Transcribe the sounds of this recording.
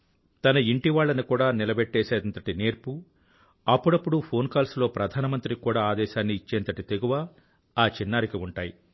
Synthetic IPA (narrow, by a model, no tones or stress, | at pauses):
t̪ɐnɐiɳʈiʋaːɭːɐnikuːɽaːnilɐbɛʈːɛːʃɛːd̪ɐnt̪ɐʈineːɾpu | ɐpːuɽɐpːuɽupʰo̞ːnkaːlslo̞ːpɾɐd̪ʱaːnɐmɐnt̪ɾikuːɽaːaːd̪ɛːʃaːnːiːt͡ʃːeːnt̪ɐʈit̪eɡuʋaː | aːt͡ʃinːaːɾikiuɳʈaːji